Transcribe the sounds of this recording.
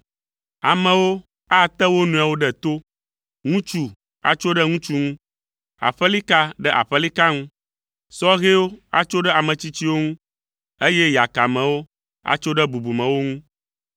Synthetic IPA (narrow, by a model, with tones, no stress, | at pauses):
a˨mɛ̃˨wo˦ | a˦˨t̪ɛ˦wo˦nũ˨a˨wo˦ɖɛ˦t̪o˦ | ŋũ˦t͡ʃu˦ | a̰˦t͡ʃo˦ɖɛ˦ŋũ˦t͡ʃu˦ŋũ˦ | a̰˨ɸɛ˦li˦ka˦ɖɛ˦ʔa̰˨ɸɛ˦li˦ka˦ŋũ˦ | sɔ˦ɣe˦wo˦a̰˦t͡ʃo˦ɖɛ˦a˨mɛ̃˨t͡ɕi˦t͡ɕi˦wo˦ŋũ˦ | e˦jɛ˦ja˨ka˨mɛ̃˨wo˦ | a̰˦t͡ʃo˦ɖɛ˦bu˨bu˨mɛ̃˨wo˦ŋũ˦